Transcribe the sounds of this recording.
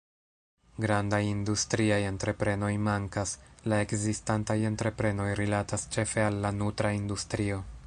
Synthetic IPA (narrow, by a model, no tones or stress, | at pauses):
ɡɾandajindustɾiajentɾe̞pɾe̞no̞jmaŋkaslae̞kzistantajentɾe̞pɾe̞no̞jɾilatast͡ʃe̞fe̞alːanutɾaindustɾio̞